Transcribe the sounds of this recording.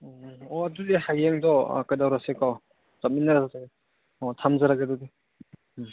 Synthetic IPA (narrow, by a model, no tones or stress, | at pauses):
ɔɐdudehajːeŋdɔ̰kajdawɾasekaw | zap̚minːaɾazataɡ | ɔtʰamzaɾaɡadɔde